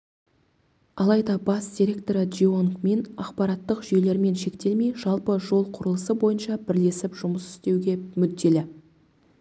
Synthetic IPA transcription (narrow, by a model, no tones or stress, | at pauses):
ɑlˠɑjd̪ɑbɑsd̪ʲiɾʲe̞k̚t̪o̞ɾəd̪ʒioŋkme̞nɑqpɑɾɑt̪ːəqʒʏjle̞ɾme̞nʃe̞kt̪e̞lmejʒɑlˠpəʒo̞lˠqʰʊɾəlˠəsəbo̞jənʃɑbɪɾle̞sɪpʒ̥ʊməsʏ̥st̪e̞wɡʲe̞mʏd̪ːe̞lɪ